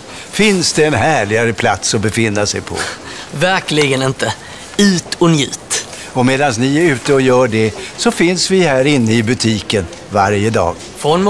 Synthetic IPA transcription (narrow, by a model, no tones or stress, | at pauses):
fɪnsd̪ɛːnhæːɭɪɡaɾəpʰla̰t̪sɔbɛfɪnːasɛjpʰɔ̰ | væɾklɪɡənɪnt̪ə | ʉ̟ːt̪ʰɔnjʉ̟̰ːt̪ | ɔmeːd̪ansnɪæɾʉ̟ːt̪əɔjœːɖɛsɔfɪnsvɪhæːɾɪnːəɪbɵt̪ʰiːkən | va̰ɾjəd̪ɑ̰ːɡ | fɾɔnm